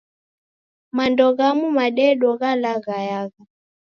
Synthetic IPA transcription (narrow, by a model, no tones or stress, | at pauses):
mandɔɣamumaɗɛɗɔɣalaɣajaɣa